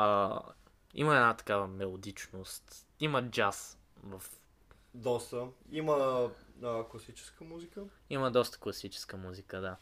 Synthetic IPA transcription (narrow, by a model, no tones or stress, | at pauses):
ḭməɛdnat̪ɐ̥kavəmɛlˠod̪it͡ʃnost̪ | iməd͡ʒas | vɐf | d̪ɔst̪əimə | əklˠɐsit͡ʃɛ̥skəmuzikə | iməd̪ɔst̪ə̥klˠɐsit͡ʃɛ̥skəmuzikəd̪a